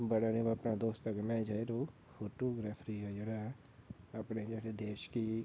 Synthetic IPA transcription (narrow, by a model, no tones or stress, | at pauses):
bəɽanĩːbəpnãːd̪oːst̪əkmɛ̃ːd͡ʒaeɾoː | fʰoːʈoːɡɾaːpʰɾiːɦɛd͡ʒeːɽa | apneːd͡ʒaɾed̪eːʃki